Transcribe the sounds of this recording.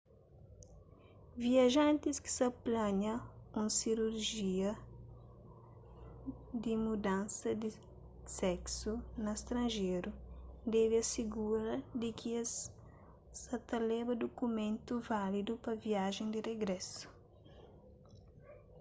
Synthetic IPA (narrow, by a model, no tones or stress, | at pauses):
viɐʒãnt̪iski̥sɐplɐ̃ɲɐũnsiɾuɾʒiɐ | d̪ɪmud̪ãnsɐd̪ɪ | sɛksunɐst̪ɾɐ̃nʒeɾud̪ɛviɐsiɡuɾɐd̪ɪkʰi | sɐt̪ɐlɛbɐd̪okumẽnt̪uvalid̪upɐviaʒẽnd̪ɪreɡɾɛsu̥